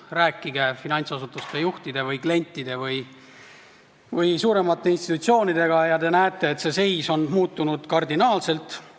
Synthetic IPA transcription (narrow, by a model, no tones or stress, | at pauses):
ræːkːiɡ̥e̞finɑnʲt̪sɑsut̪ːˑust̪ejuht̪id̪e̞vɯjkle̞nʲt̪ˑːid̪̥e̞vɯj | vɯjsuːɾe̞mɑt̪ːˑe̞inst̪it̪ut̪sio̞ːnid̪e̞ɡ̥ɑjɑd̪e̞næet̪ːˑe̞ːt̪se̞se̞jso̞nmuːt̪ːˑunud̪̥kɑrd̪inɑːlse̞lt̪